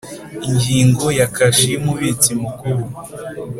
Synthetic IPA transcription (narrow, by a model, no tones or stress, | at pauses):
iɲɟiːŋɡo̞jakaʃimuβet͡simukuɾu